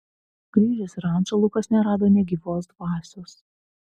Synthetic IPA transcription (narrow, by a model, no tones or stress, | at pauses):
ɡ̥ɾʲiːʒʲɪsɪɾɑˑnʒɐlˠʊkɐsnʲɛɾɑːd̪oːnʲɛɡʲiːʋoːsd̪ʋɑːsʲos